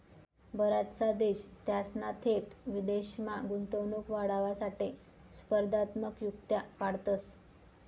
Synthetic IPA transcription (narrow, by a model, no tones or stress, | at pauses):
bəɾat̪t͡sad̪eɕt̪jasnat̪ʰet̪ʋid̪eɕmaɡunt̪onukʋaɽaʋasaʈe | spəɾd̪at̪məkjukt̪jakaɽt̪əs